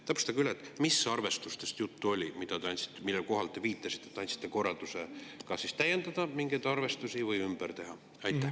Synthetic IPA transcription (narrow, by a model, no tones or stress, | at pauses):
t̪æpːˑst̪ɑɡylːet̪ːˑmisːɑrve̞st̪ust̪e̞st̪jut̪ːuo̞lʲimid̪̥ɑt̪eɑnʲt̪si̥t̪ːˑemilːelko̞ɦɑlt̪ːˑe̞viːt̪ːˑɑsi̥t̪ˑːet̪ːɑnʲt̪si̥t̪ːeko̞rːɑld̪̥usekɑsist̪æje̞nd̪ɑd̪̥ɑmiŋɡ̥ejd̪̥ɑrve̞st̪usʲivɯjymb̥ært̪e̞ɦɑ | ɑjt̪ːˑæ